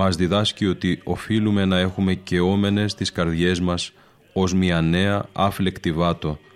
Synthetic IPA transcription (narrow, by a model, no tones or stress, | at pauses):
ɐzðiðɐscio̞t̪io̞filume̞nɐe̞xume̞ce̞o̞me̞ne̞st̪iskɐɾðʝe̞zmɐs | o̞zmiɐne̞ɐɐfle̞kt̪ivɐt̪o̞